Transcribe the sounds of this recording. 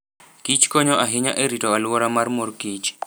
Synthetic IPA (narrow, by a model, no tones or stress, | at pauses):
kit͡ʃkɔɲɔʔaɦɪɲaʔeɾitɔalwɔɾamarmorkit͡ʃ